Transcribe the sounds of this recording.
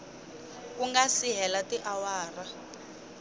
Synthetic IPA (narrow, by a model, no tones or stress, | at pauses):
kuŋɡasiɦɛlatiʔawaːra